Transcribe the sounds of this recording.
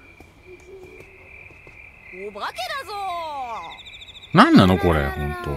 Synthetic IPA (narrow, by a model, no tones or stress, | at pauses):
obaked̪azo | nãnːanoko̞ɾḛhõ̞nt̪o̰